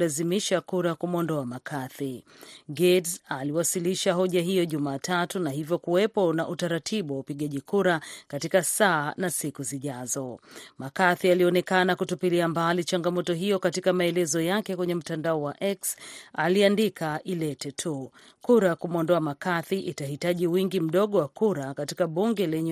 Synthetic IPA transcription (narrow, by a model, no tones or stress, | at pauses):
lazimiʃakuɾakumɔndɔamakʰaθiɡɛdsaliwasiliʃaɦɔʄaɦijɔʄumaːtʰatunaɦivjɔkuwɛpɔnaʔutaɾatʰiɓuwaupiɠaʄikuɾakatikasaːnasikuziʄazɔmakaθialiɔnɛkanakutupiliambalit͡ʃaŋɡamɔtɔɦijɔkatikamaɛlɛzɔjakɛkwɛɲɛm̩tandaɔwaʔɛksaliandikʰaʔilɛtɛtʰu | kuɾakumɔndɔamakaθiʔitahitaʄiwiŋɡim̩ɗɔɠɔwakuɾakatikaɓuŋɡɛlɛɲɛ